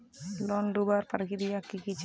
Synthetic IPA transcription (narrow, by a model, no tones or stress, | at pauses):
lɔndubarparɡidiakikit͡ʃ